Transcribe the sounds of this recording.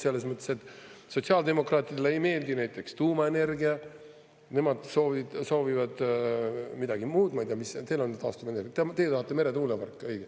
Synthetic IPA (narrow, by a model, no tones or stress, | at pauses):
se̞lːes̬mɤt̪ˑːeset̪ːˑso̞t̪ʲsiɑːld̪e̞mo̞krɑːt̪ˑid̥̪eleejme̞ːld̪inæjt̪ːˑe̞kst̪uːmɑe̞ne̞rɡiɑ | ne̞mɑd̪̥so̞ːvid̪̥so̞ːvivɑd̪̥ | mid̪ɑɡ̥imuːd̪̥mɑjt̪ijɑmist̪e̞lo̞nːed̪ɑ̰ːst̪umenerɡt̪t̪e̞j̪ɑhɑt̪ːˑe̞me̞ɾet̪uːlepɑrkːˑɤjɡ̥e